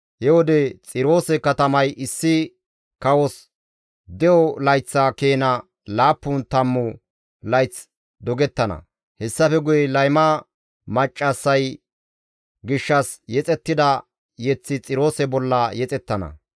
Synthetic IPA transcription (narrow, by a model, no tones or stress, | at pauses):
hɛwɔd̪ɛt͡sʼɪɾo̞ːsɛkɐt̪ɐmɐjʔɪsːɪ | kɐwɔs | d̪ɛjɔlɐjt͡sːɐkeːnɐ | laːpːʊnt̪ɐmːʊ | lɐjt͡s | d̪ɔɡɛt̪ːɐnɐ̰ | hɛsːɐfɛɡʊjɛlɐjmɐ | mɐt͡ʃʼːɐsːɐj | ɡɪʃːɐsjɛt͡sʼɛt̪ːɪd̪ɐ | jɛt͡sːɪt͡sʼɪɾo̞ːsɛbɔlːɐjɛt͡sʼɛt̪ːɐnɐ̰